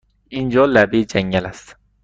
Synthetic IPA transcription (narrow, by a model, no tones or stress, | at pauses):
ʔind͡ʒɒːlæbid͡ʒæŋɟælæst̪